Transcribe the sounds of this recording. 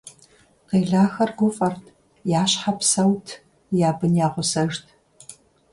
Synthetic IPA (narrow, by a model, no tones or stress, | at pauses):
qeːɮaːxɐrɡʷʊfʼɐrtʰʼ | jaːɕħapsɐwtʰ | jaːbɨnjaːʁʷʊsɐʒtʰ